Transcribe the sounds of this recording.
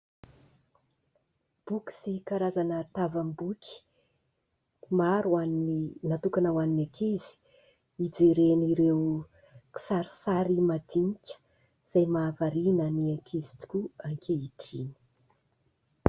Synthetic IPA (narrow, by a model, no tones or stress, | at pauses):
b̥uki̥sikaɾazanət̪avambukʲi̥ | maɾuanininat̪ukanawaninakizi̥ | id͡zeɾeniɾew | ki̥saɾisaɾimad̪iŋikʲə̥ | z̥ajmaːvaɾinəniakʰizi̥t̪u̥kʲuaŋkʰeiʈ͡ʂini̥